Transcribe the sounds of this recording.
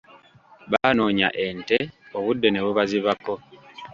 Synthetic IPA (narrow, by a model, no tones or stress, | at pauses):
βaːno̞ːɲa̰ʔe̞nte̞o̞βudːe̞ne̞βuβaziβako̞